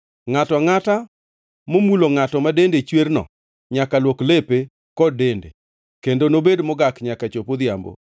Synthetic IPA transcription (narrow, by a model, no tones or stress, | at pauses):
ŋatɔŋata | momuloŋatɔmadendet͡ʃwernɔ̰ | ɲakalwoklepe | kɔdendḛ | kendonobedmɔɡakɲakat͡ʃopod̪ɪja̰mbo̰